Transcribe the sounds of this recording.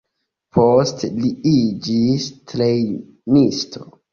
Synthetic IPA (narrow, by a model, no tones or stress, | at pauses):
pʰostliid͡ʒistɾej | nistʰo